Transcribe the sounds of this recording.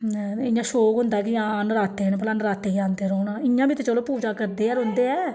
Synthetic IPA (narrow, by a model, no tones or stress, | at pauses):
nɛɪ̃jãːʃoːkɦʊnd̪aːkɪãːnɾaːt̪ːeːnːp̬əlaːnɾaːt̪ːeːiãːnd̪eːɾoːnãːɪjãːbʱiːt̪et͡ʃəloːpuːd͡ʒaːkəɾd̪eːɛːɾond̪eːɛː